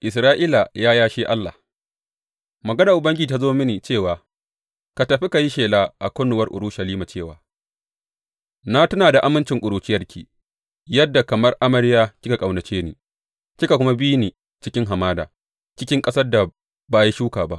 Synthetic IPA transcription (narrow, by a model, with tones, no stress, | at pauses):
ʔɪ˨s̬ɾaː˦ʔiː˦la˨jaː˦jaː˦ʃeː˦ʔa˦lːa̰˨h | mɐ˨ɡɐ˦na˨ʔʊ˨bɐ˦ŋɡʲɪ˦i˨ta˦zoː˦mɪ˦niː˨t͡ʃeː˦˨waː˨ | ka˨tɐ˨ɸi˦ka˨ji˦ʃeː˨laː˦ʔa̰˨kʷʊ˦nʊ˨wɐ˦rʔʊ̰˨ɾʊ˦ʃɐ˨liː˦ma˨t͡ʃeː˦˨wa̰ː˨ | na˦tɐ˦naː˨da˨ʔa˦mɪ˦nt͡ʃɪ˨ŋkʷʼʊ˨ɾuː˨t͡ʃɪ˦jɐ˦rkʲʰḭː˨ | jɐ˦dːa˨kɐ˨mɐ˦rʔa˦mɐ˦ɽjaː˦kʲɪ˦ka˨kʼa˨wnɐ˨t͡ʃeː˦niː˨ | kʲi˦ka˨kʷʊ˦ma˦bi˦niː˨ | t͡ʃɪ˦kʲɪ˦ŋɦa˨maː˦da̰ː˨ | t͡ʃɪ˦kʲɪ˦ŋkʼɐ˦sɐ˦rda˨ | baː˨ji˦ʃuː˦kaː˨ba̰˦ʔ